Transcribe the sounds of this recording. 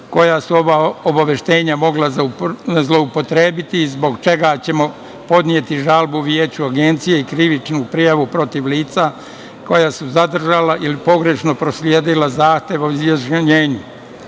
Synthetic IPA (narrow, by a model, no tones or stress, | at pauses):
ko̞jasuo̞ʋaobaʋeʃt̪e̞ːɲamo̞ɡlazzlˠo̞upo̞t̪ɾe̞ːbit̪izbo̞ɡt͡ʃe̞ɡat͡ɕe̞mo̞ | po̞d̪nije̞t̪iʒalbuʋjeːt͡ɕuaɡe̞nt̪sije̞ikɾiʋit͡ʃnupɾijaʋupɾo̞t̪iʋliːt̪sa | ko̞jasuzad̪r̩ʒalaʔilipo̞ɡɾe̞ʃno̞pɾo̞sljeːd̪ilazaːxt̪jeʋaoizjaʒɲeːɲu